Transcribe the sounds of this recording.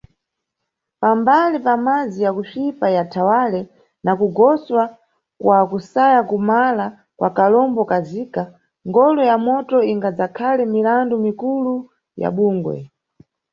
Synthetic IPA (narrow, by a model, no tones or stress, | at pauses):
pambalipamad͡zijakufipajatʰawalɛ | nakuɡɔswa | kwakusajakumala | kwa̰kalɔmbɔkaziːka | ŋɡɔlɔjamɔtɔiŋɡad͡zakʰalɛmilandumikulu | ja̰ɓuːŋɡwɛ̰